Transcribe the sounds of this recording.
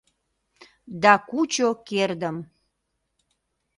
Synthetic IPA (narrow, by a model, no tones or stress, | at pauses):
d̪ɑkut͡ɕokerd̪əm